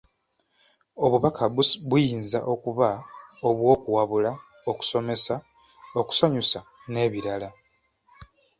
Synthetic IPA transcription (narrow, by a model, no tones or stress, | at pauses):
o̞βuβakʰaββujiːnza̰ʔo̞kuβao̞βwo̞ːkuwaβula | o̞ku̥so̞me̞sa | o̞ku̥so̞ɲusa | ne̞βiɾala